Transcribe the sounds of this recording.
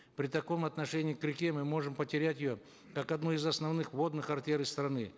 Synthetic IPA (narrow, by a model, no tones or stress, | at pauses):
pɾʲɪt̪ɐko̞mɐt̪nɐʂɛnʲɪːkɾʲɪkʲemɨmo̞ʐɨmpətʲɪɾʲætʲɪjo | kakɐd̪nuɪzɐsnɐvnɨxvo̞d̪nɨxɐrtʲeɾɨst̪ɾɐnɨ